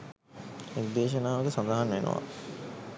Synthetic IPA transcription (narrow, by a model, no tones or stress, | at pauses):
ekd̪eːʃ̬ənaːʋɐkəsãnd̪aɦanʋenʔə̰ʋa̰